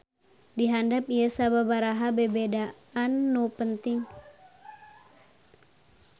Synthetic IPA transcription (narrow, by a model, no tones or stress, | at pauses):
diɦandap̚ijəsababaɾaɦabəbeda | anːupənt̪ɪŋ